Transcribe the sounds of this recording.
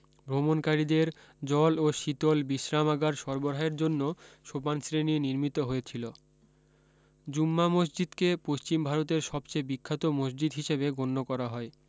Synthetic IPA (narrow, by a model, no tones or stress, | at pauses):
bɾomonkaɾid̪eɾ | d͡ʑɔloʃit̪olbiʃɾamaɡaɾʃɔɾboɾɦaeɾd͡ʑonːoʃopansɾeniniɾmit̪oɦojet͡ɕʰilo | d͡ʑumːamos̬d͡ʑid̪kepoʃt͡ɕimbʱaɾot̪̬eɾʃɔbt͡ɕebikʰːat̪omosd͡ʑid̪ɦiʃebeɡonːokɔɾaɦɔe